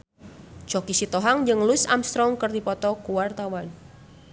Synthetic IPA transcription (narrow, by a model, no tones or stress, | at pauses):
d͡ʒ̥ɔkisit̪ɔɦaŋd͡ʒɨŋlʊsa̰mst̪ɾɔŋkərdipɔt̪ɔkuwart̪awan